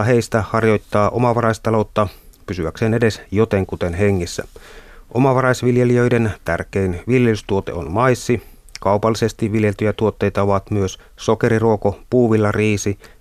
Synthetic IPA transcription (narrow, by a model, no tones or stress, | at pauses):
ɑɦe̞ist̪æhɑrjo̞jt̪ːɑːʔomɑʋɑrɑist̪ɑlo̞ut̪ːɑpysyʋækseːnede̞sjot̪eŋkut̪enɦeŋːisːæ̰ʔomɑʋɑrɑisʋiljeliøident̪ærkeinʋiljelyst̪uot̪e̞̰o̰nmɑisːi | kɑupɑlːisest̪iʋʋiljelt̪yjæt̪uot̪ːejt̪ɑoʋɑt̪myøs | so̞ke̞ɾiruokopuːʋilːɑriːsi